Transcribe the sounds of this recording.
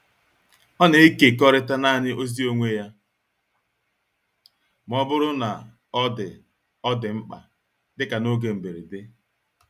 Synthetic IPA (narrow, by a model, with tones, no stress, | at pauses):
ɔ˦ne˨˦i˦ke˨kɔ˦ɾɪ˦ta˦na˦˨ɲɪ˦ʔo˦zi˦o˦ŋʷe˦ja˦ | m˨ɔ˦bʊ˦ɾʊ˦na˨ | ɔ˦dɪ˨ | ɔ˦dɪ˨ŋ͡m̩˦k͡pa̰˨ | dɪ˦ka˨no˦ɡe˨m̩˨be˨ɾi˨dɪ˦